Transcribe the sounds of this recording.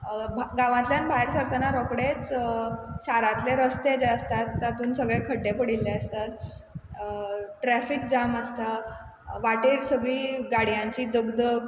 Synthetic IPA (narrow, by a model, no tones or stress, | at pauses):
bɡãʋãt̪ljanbʱajɾsʋəɾt̪ənaɾɔkɽet͡s | ɕaɾãt̪leɾəst̪ed͡ʑaəst̪at̪ːat̪uːnsəɡɭekʰəɖːepəɽilːeəst̪at̪̚ | ʈɾæfik̚d͡ʑaməst̪a | ʋaʈeːɾsəɡɭiːɡaɽjãɲt͡ɕiːd̪əɡd̪ə